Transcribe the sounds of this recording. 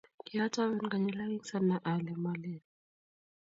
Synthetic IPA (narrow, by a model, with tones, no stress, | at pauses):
kʼi˦a˦tʼa˦βɛ˦nka˨ɲɛ˨la˦i˦ŋ˦sa˦na˨ʔa˨lɛ˨ma˨lɛ˨n